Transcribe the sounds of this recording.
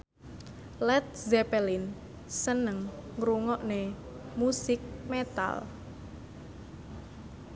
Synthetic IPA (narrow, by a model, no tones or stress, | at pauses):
lɛt̪̚zɛpɛlin | sənəŋː | ɾuŋɔʔne | musɪk̚met̪a̰l